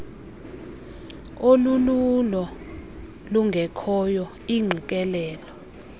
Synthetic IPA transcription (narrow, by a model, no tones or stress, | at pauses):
olululɔ | luŋɡʱɛkʰɔjɔ | iŋ͡ǃʱik̬ʼɛlɛːlɔ